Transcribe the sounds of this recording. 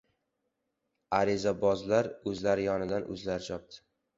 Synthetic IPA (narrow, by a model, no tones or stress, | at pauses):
aɾɪzabɒzlaɾɵzlaɾɪjɒnɪd̪anʔɵ̰zlaɾɪt͡ʃʰɒp̚t̪ʰɪ̥